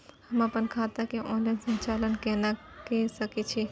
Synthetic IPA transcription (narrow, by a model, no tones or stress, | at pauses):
həməpənkʰaːt̪akeʔɔːnlaɪnsə̃nt͡ʃaːlənkẽnakesəkit͡ʃʰi